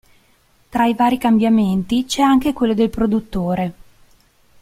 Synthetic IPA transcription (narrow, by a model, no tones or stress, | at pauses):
t̪ɾaivaːɾikambjament̪it͡ʃɛaŋk̟ekwelːod̪elpɾod̪ut̪ːoːɾe